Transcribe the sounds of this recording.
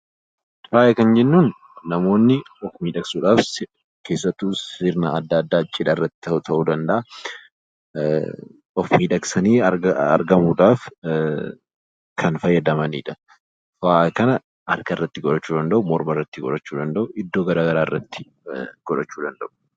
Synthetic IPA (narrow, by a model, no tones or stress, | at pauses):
faːʔɛkɐnd͡ʒɛnːuːnː | ɐmo̞ːnːɪɔfmiːᶑɐksuːᶑaːfs | ke̞ːsːɐt̪ːuːsɪɾna̰ɐd̪ːaːd̪ːaːt͡ʃʼːɪᶑɐɪrːɐt̪ːɪ̥t̪t̪ʰɐʔuːd̪ɐnd̪ɐʔɐ | ɔfmiːᶑɐksɐniːɐɐ̰ɾɡɐmuːᶑaːf | kʰɐnfɐjːɐd̪ɐmɐnḭːᶑɐ | faːʔkɐnɐ | ʔɐɾkɐɪrːɐt̪ːɪɡɔᶑɐt͡ʃːuːd̪ɐnd̪ɐʔʊmɔɾmɐrːɐt̪ːɪɡɔ̰ᶑɐt͡ʃːuːd̪ɐnd̪ɐʔʊʔɪd̪ːo̞ːɡɐɾaːɡɐɾaːɪrːɐt̪ːɪ̥ | ɡ̥ɔᶑɐt͡ʃːuːd̪ɐnd̪ɐʔʊ̥